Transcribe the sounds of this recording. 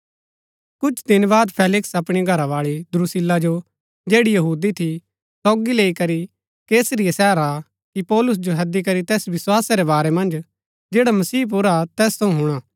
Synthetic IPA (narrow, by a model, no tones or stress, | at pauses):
kʊt͡ʃʰd̪ɪnbaːd̪pʰeːlɪksɐpɽ̃iɡʱɐɾaʋaːɭid̪ɾusɪlːad͡ʒo | d͡ʒeːɽijɐɦuːd̪it̪ʰi | sɔːɡileːikɐɾi | keːsəɾijasɛːɾa | kipɔːlʊs̬d͡ʒoɦɐd̪ik̬ɐɾit̪ɛːsʋɪswaːsaɾebaːɾemɐ̃nd͡ʒ | d͡ʒeːɽamɐsiːp̬uɾat̪ɛːst̪ʰɐ̃ũɦʊɽ̃aː